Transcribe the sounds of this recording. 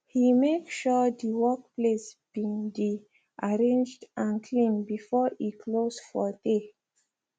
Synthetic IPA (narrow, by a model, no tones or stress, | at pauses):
himekʃɔdiwɔk̚plesb̥ĩŋdi | ʔaɹẽnd͡ʒdãnkʰlĩnbifɔikʰlosfɔde